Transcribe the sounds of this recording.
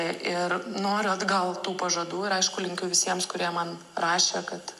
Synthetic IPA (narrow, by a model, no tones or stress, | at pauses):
ʔɪrnoːɾʲʊɐd̪ɡɐlˠt̪uːpɐʒɐd̪uːɪɾɐɪʃkʊlʲɪŋʲkʲʊʋʲɪsʲiɛmskʊɾʲiɛmɐn | rɑːʃʲekɐt̪